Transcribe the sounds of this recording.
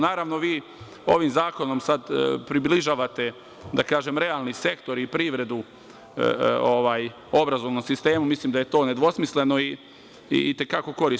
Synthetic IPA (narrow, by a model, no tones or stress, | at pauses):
naːɾaʋno̞ʋiː | o̞ʋimzaːko̞nomsad̪pɾibliʒaːʋat̪e̞ | d̪akaːʒemɾe̞aːlˠnise̞kt̪o̞ɾipɾiʋɾe̞d̪u | oʋaːj | o̞bɾazo̞ʋno̞msist̪e̞ːmumislˠiːmd̪aje̞t̪o̞ːne̞d̪ʋo̞smisle̞no̞ḭ | t̪e̞kako̞ko̞ɾis